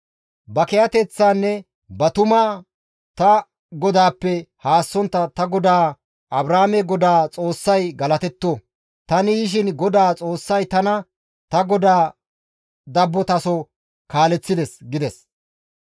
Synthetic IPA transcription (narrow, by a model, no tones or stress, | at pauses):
bɐkɛjɐt̪ɛt͡sːaːnːɛ | bɐt̪ʊmɐ | t̪ɐ | ɡɔd̪aːpːɛhaːsːɔnt̪ːɐt̪ɐɡɔd̪aː | ʔɐbɾaːmɛɡɔd̪aːt͡sʼo̞ːsːɐjɡɐlɐt̪ɛt̪ːo | t̪ɐnɪjɪʃ̬ɪnɡɔd̪aːt͡sʼo̞ːsːɐjt̪ɐnɐ | t̪ɐɡɔd̪aː | d̪ɐbːɔt̪ɐsɔ | kaːlɛt͡sːɪd̪ɛsɡɪd̪ɛs